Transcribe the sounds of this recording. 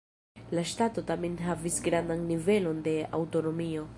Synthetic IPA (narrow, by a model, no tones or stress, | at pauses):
laʃtato̞tamenɦavisɡɾandanːive̞lo̞nde̞a̰wto̞no̞mio̞